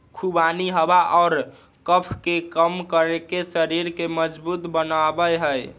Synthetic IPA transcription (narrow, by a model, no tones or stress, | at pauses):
kʰubaniɦəbaʔɔːɾ | kəpʰkekəmkəɾekesəɾiɾkeməd͡ʒbut̪bənabəjɦəj